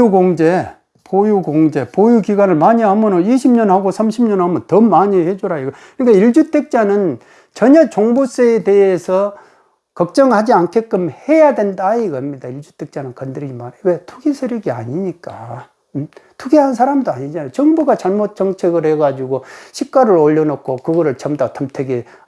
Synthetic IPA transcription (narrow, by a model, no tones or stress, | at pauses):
uɡoŋd͡ʑe̞ | pojuɡoŋd͡ʑe̞pojukiɡanɯɭmaɲiɦamʌnoniɕʰimɲʌnhaɡosʰamɕʰimɲʌnhamʌntʌmaɲihed͡ʑoɾaiɡʌkɯɲik͈aiɭd͡ʑutʰe̞k̚t͡ɕ͈anɯn | t͡ɕʌɲat͡ɕoŋbus͈eete̞esʰʌ | kʌk̚t͡ɕ͈ʌŋhad͡ʑiankʰek͈ɯmhe̞jadwendaiɡʌmɲidaiɭd͡ʑutʰe̞k̚t͡ɕ͈anɯnkʌndɯɾiimaɾewetʰuɡisʰeɾjʌɡia̰ɲiɲik͈a̰ | tʰuɡiɦansʰaɾamdoaɲid͡ʑanajot͡ɕʌŋbuɡat͡ɕaɭmot̚t͡ɕ͈ʌŋt͡ɕʰeɡɯɭhe̞ɡad͡ʑiɡoɕʰik̚k͈waɾɯɾoʎːʌnʌkʰokɯɡʌɾɯɭt͡ɕʌmdatʰʌmtʰeɡe